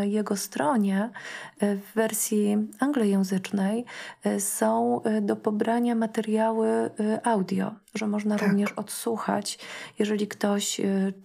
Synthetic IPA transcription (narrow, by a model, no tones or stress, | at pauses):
jɛɡɔst̪ɾɔɲɛ | vːɛɾsʲjiaŋɡlɛjɛ̃w̃zɘt͡ʂnɛjsɔ̃w̃d̪ɔpɔbɾaɲamat̪ɛɾjawɘʔawd̪ʲjɔ̰ʐɛmɔʐnaɾuvɲɛʂɔt̪suxa̰t͡ɕjɛʐɛlʲikt̪ɔɕ